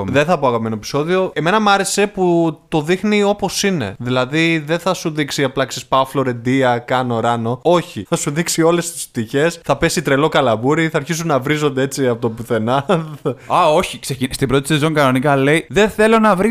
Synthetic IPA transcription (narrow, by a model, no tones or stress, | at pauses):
ðe̞nθɐpoɐkopime̞noepi̥so̞ðio̞e̞me̞nɐmɐɾe̞se̞put̪o̞ðixnio̞po̞sine̞̰ðilɐðiðe̞nθɐsuðiksiɐplɐksispɐflo̞ɾe̞nd̪iɐkɐno̞ɾɐno̞o̞çiθɐsuðiksio̞le̞st̪i̥sp̚t̪içe̞sθɐpe̞sit̪ɾe̞lo̞kɐlɐvuɾiθɐːɾçis̬unːɐvɾizo̞nd̪e̞e̞t͡siɐpo̞t̪obuθe̞nɐ | ɐo̞çiksecinst̪ibɾot̪i̥sizo̞ŋkɐno̞nikɐle̞iðe̞θe̞lo̞nɐvɾi